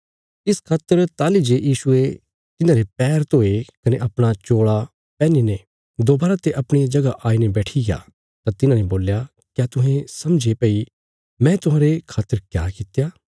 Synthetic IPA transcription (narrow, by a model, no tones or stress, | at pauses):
ɪskʰaːt̪əɾt̪aːlid͡ʒejiːsʊe | t̪ɪnãːɾepɛːɾt̪oːekɐneʔɐpɽ̃at͡ʃoːɽa | pɛ̃ːnine | d̪oːbaːɾat̪eʔɐpɽ̃id͡ʒɐɡaʔaːinebɛːʈʰiɡja̰ | t̪ãt̪ɪnãneboːlja | kjaːt̪ʊɦẽsɐmd͡ʒepɐi | mɛ̃ːt̪ʊɦãːɾekʰaːt̪əɾkjaːkɪt̪ejaː